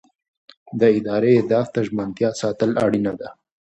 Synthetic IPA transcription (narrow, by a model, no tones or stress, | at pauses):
d̪əɪd̪ɑɾeed̪ɑft̪aʒmant̪jɑsɑt̪əla̰ɽinad̪a